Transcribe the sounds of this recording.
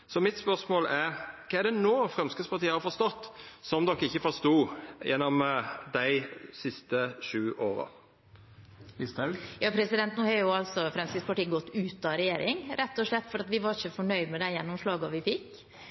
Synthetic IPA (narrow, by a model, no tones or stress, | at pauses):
sɔmɪt̪spœɾsmoːlɛɾkʰɑɛɖ̪ɛnoːfʁɛmskəspʰɑɾt̪iːəhɑɾfɔɾst̪ɔt̪ːsɔmd̪ɔkːɪçːəfɔɾst̪uːjɛnːɔmd̪æɪsɪst̪əʂʉːʔoːɾə̰ | st̪jɑːpʰɾɛsɪd̪ɛnt̪noːhɑɾjʊɑlsɔfɾɛmskəspɑʈiːɡɔt̪ːʉːt̪ɑɾɛjeːɾʔɪŋɾʔɛt̪ːɔʂɭɛt̪ːfɔɾɑt̪ʋɪʋɑɾɪçəfɔɳœʏd̪mɛd̪æɪjɛnːɔmʂɭɑːɡɑʋɪfɪkː